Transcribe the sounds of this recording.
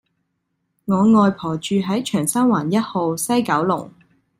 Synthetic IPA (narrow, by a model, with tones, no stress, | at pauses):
ŋɔː˨˧ŋɔː˧jpʰɔː˨˩t͡ʃyː˨˧ɦɐ˨˥jt͡ʃʰœː˨˩ŋsɐ˥nwaː˨˩njɐ˥t̚ho˧wsɐ˥jkɐ˨˥wlʊ̰˨˩ŋ